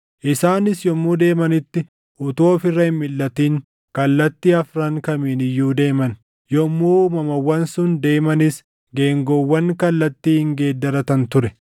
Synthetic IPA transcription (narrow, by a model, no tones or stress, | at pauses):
ʔɪsaːnɪsjɔmːuːd̪e̞ːmɐnɪt̪ːɪ | ʔʊt̪o̞ːfɪrːɐhɪmmɪlːɐt̪iːŋ | kɐlːɐt̪ːiːɐfɾɐŋkɐmiːnɪjːuːd̪e̞ːmɐn | jɔmːuːmɐmɐwːɐnsʊnd̪e̞ːmɐnɪs | ɡe̞ːŋɡɔwːɐŋkɐlːɐt̪ːiːhɪŋɡe̞ːd̪ːɐɾɐt̪ɐnt̪ʊɾɛ